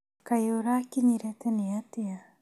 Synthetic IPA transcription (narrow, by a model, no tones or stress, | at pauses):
kajoɾakiɲiɾɛteneatea